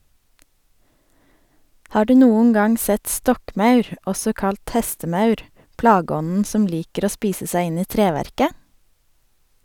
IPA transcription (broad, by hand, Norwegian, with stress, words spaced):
ˈhɑː ˈɖʉː ˈnuːəŋ ˈɡɑŋ ˈsɛt ˈstɔkˌmɑʉɾ ˈɔsɔ ˈkɑlt ˈhɛstəˌmɑʉɾ ˈplɑːˌɡɔnn̩ ˈsɔm ˈliːkəɾ ˈoː ˈspiːsə ˈsæɪ ˈɪn ˈiː ˈtɾeːʋæɾkə